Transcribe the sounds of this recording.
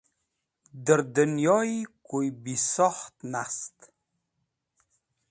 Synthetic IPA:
d̪əɾd̪ənjɔikojbisɔχt̪nast̪

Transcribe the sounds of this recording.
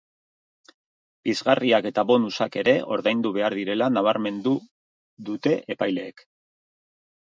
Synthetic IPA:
bizɣariake̞t̪aβo̞nusake̞ɾe̞o̞̰ɾðajnd̪uβ̞e̞aɾðiɾe̞lanaβ̞aɾme̞nd̪u | ðut̪e̞ʔepajle̞ːk

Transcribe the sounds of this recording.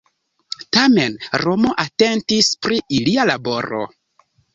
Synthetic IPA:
tame̞nɾo̞mo̞ʔate̞ntispɾiilialabo̞ɾo̰

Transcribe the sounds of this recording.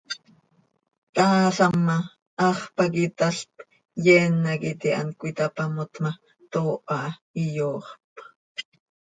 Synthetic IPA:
t̪aːsamːa | ʔɑχpakit̪aɬp | jɛnːakit̪ia̰nkʷit̪apamot̪ma | t̪oːʔɑʔijoːχp

